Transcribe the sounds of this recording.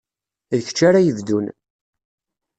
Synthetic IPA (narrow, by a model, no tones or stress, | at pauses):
ç̥t͡ʃːaɾajəvd̪un